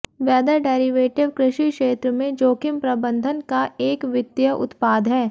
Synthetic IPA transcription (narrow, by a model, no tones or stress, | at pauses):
ʋɛːd̪əɖɛːɾiʋeːʈɪʋkɾɪʃiʃeːt̪ɾəmẽd͡ʒoːkɪmpɾɐbə̃nd̪ʱənkaʔeːkʋɪd̪jəʔʊ̰t̪paːd̪ɦɛː